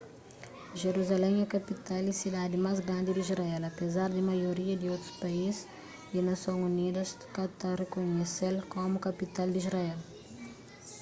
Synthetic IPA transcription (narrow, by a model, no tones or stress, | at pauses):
ʒeɾuzalɛ̃mɛkapit̪alisid̪ad̪ɪmazɡɾãnd̪ɪd̪izɾaɛlɐpezaɾd̪ɪmajoɾiɐd̪ɪowt̪ɾʊ̥spaiz | d̪inɐsõŋunid̪ɐs | kat̪arekoɲeselkomʊkapit̪ald̪izɾaɛl